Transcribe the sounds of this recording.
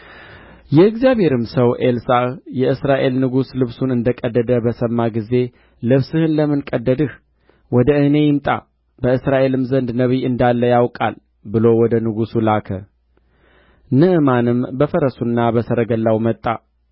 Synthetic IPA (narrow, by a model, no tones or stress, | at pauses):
jɛɨɡzijabhe̞ɾɨmsəwʔelsajɛʔɨsɾaʔe̞lnɨɡuslɨβsunɨnd̪əkʼəd̪ːəd̪əbəsəmːaɡize̞ | lɨβsɨhɨnləmɨnkʼəd̪ːəd̪ɨh | wɔd̪əʔɨne̞jɪmt̪ʼa̰ | bəɨsɾaʔe̞lɨmzənd̪nəβiɨnd̪alːəjawkʼa̰l | bɨlo̞wɔd̪ənɨɡusulakʰə | nɨʔɨmanɨmbəfəɾəsunːabəsəɾəɡəlːawmət̪ʼːa